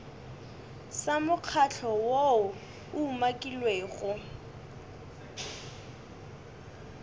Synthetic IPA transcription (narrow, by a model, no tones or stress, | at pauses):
samʊq͡χʰat͡ɬʰɔwoʊ | ʊumakʼilweːɣʊ